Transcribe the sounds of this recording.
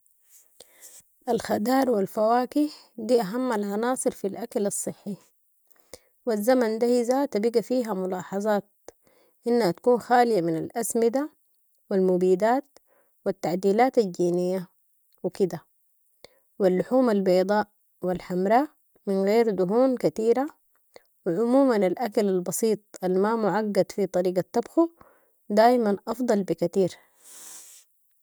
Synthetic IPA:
ʔalxad̪ɑːɾˤwalfawaːkiħ | d̪iːʔaɦamːalʕɑnɑːsˤɨɾfilʔakalɑsˤːɨħːi | wazːamand̪ahizat̪abiɡafiːɦamʊlɑːħɑzˤɑːt̪̚ | ʔinːhat̪ḁkuːnxaːlɪjaminalʔasmid̪a | wilmubiːd̪aːt̪̚ | wit̪ːaʕd̪iːlaːt̪ald͡ʒiːnijːa | wikid̪a | wilːʊħuːmalbɑːd̪ˤɑːʔ | wilħamɾaː | mɪnɣeːɾd̪ʊɦuːnkat̪iːɾa | wɪʕʊmuːmanalʔakalalbɑsiːt̪ˤʔalmamʊʕaɡːad̪fit̪ˤɑɾiːɡat̪ːɑbxu | d̪aːʔmanʔɑfd̪ˤɑlbikat̪iːɾ

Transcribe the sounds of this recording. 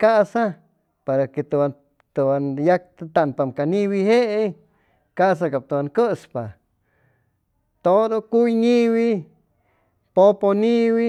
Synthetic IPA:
kasa | paɾaket̪a | t̪obanjak̚t̪t̪anpamkaniwiɦeʔe | kasakap̚t̪owaŋkəspa | t̪od̪okujniwi | poponiwi

